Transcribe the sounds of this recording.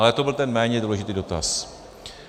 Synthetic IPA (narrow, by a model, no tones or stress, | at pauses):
alɛt̪obɪlt̪ɛnmɛːɲɛduːlɛʒɪt̪iːdo̞t̪a̰s